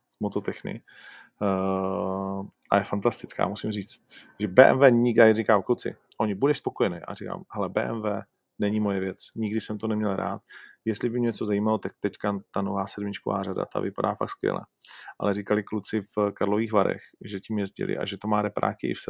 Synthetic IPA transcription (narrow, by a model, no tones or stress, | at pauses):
mot̪ot̪ɛxnɪ̰ | ʔa̰jɛfant̪ast̪ɪt͡ska̰ːmusɪmriːt͡st̪̚ | ʒɛbɛːʔɛ̰mvɛːɲɪarikaːklut͡sɪ̰ | ʔo̞ɲɪbudɛʃspo̞kojɛnɛjʔa̰rika̰ːmɦɛlɛbɛ̰ːʔɛmvɛː | nɛɲɪmojɛvjɛt͡sɲɪɡdɪsɛmt̪onɛmɲɛlɾa̰ːt̪̚jɛst̪lɪbɪmɲɛt͡so̞zajiːmalot̪ak̚t̪ɛckat̪anovaːsɛdmɪt͡ʃkovaːrada̰t̪a̰vɪpadaːfa̰k̚t̪skvjɛ̰lʔɛ̰ʔa̰lɛɾikalɪklut͡sɪfkaɾlo̞viːxvaɾɛ̰xʒɛcimjɛzɟɪ̰lʔɪ̰ʔa̰ʒɛt̪omaːɾɛpɾa̰ːkɪʔɪ̰fsɛ